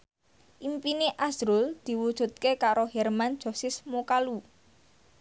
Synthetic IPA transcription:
ʔimpineʔasɾʊld̪̥i̤wud̥ʒ̥ṳt̪̚kekaɾoɦɛrmand̥ʒ̥o̤sɪsmokalu

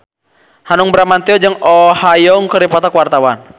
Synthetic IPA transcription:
hanuŋbɾamant̪iɔd͡ʒɨŋɔhajɔŋkəɾipat̪akuwart̪awan

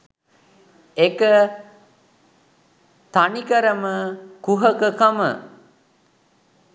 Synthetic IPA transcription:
ekə | t̪anikəɾəməkuɦəkəkəmə̰

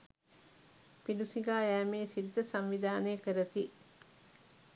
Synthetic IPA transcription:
pilusiɡaːæːmeːsid̪d̪ːəsaɱʋid̪aːnəjəkəɾət̪i

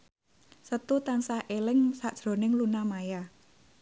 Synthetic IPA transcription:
sət̪ut̪ansahʔelɪŋsaʔd̥ʒ̥ɾo̤nɪŋlunamaja

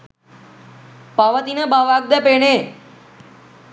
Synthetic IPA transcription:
paʋət̪inabaːʋaɡ̚d̪əpeɳ̃e

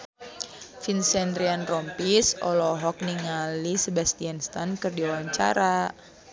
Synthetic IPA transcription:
finsɛnd̪ɾianrɔmpisɔlɔɦɔk̚niŋalisəbast̪ianst̪ankɨrdiwaɲt͡ʃa̰ɾa

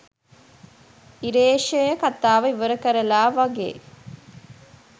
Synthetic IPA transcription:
iɾeːʃəjəkat̪aːʋəiʋəɾəkəɾəlaːʋaɡḛː

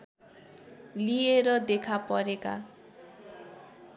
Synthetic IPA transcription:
lieɾʌd̪ekʰapʌɾeka̰

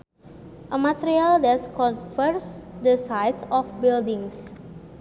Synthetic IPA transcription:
ʔəmat̪eɾialdɛskɔ̃nfəɾsdəsajtsɔfbildĩŋs

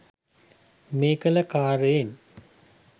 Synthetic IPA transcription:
meːkələkaːɾəjen

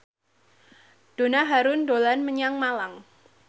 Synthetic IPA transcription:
d̥onaɦaɾʊndolanməɲaŋmalaŋ

